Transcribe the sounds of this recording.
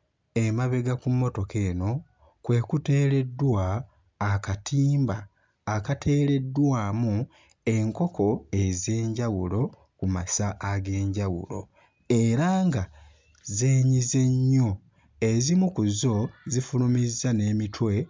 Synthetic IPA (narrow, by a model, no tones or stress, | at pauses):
emaβe̞ɡakumːo̞to̞ke̞ːno̞ | kwe̞ːkute̞ːɾe̞dːwaː | katʰiːmbaː | katʰe̞ːɾe̞dːwaːmu | e̞ŋko̞kʰo̞e̞ze̞ːɲɟawulo̞ | kumasaʔːɡe̞ːɲɟawṵlo̞̰ | eɾaːŋɡa | zeːɲize̞ɲːo̞ | ezimukuzo̞zifulumizːane̞ːmitʰwe̞